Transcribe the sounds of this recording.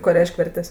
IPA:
ˈkoː ˈrʲɛɪʃʲkʲ ˈʋʲɛrʲtʲɛsʲ

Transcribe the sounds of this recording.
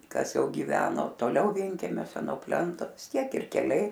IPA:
ˈkɐs ˈjɛʊ ɡʲɪˈʋʲæːnoː toːˈlʲɛʊ ˈʋʲiɛŋʲkʲɛmʲoːsʲɛ nuɔ ˈpʲlʲɛntoː ʋʲɪs ˈtʲiɛk ɪr kʲɛˈlʲɛɪ

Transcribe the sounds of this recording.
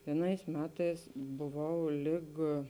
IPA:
ʋʲiɛˈnɐɪs ˈmʲæːtɐɪs bʊˈʋɐʊ ˈlʲɪk

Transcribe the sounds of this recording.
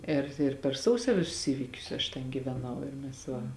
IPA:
ɪr ɪr pʲɛr ˈsɐʊsʲoː ˈʋʲɪsʊs ˈiːʋʲiːkʲʊs ɐʃ tʲɛn ɡʲiːʋʲɛˈnɐʊ ɪr mʲɛs ˈʋɐ

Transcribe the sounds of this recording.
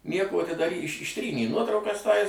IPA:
ˈnʲiɛkoː tʲɪ dɐr ɪʃ ɪʃʲˈtʲrʲiːnʲeː ˈnuɔtrɐʊkɐs ˈtɐɪs

